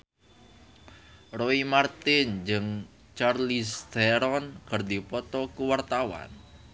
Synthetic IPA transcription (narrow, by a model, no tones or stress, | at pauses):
roimart̪ɪnd͡ʒɨŋ | t͡ʃarlisd̪̥ɛɾɔnkərd̪ipɔt̪ɔkuwart̪awa̰n